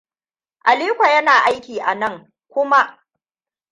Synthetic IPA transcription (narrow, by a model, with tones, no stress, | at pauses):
ʔa˨liː˦kʷa˨jɐ˦naː˨ʔa˦jkʲiː˨ʔa˨nɐ˦˨ŋ | kʷʊ˦ma˦ʔ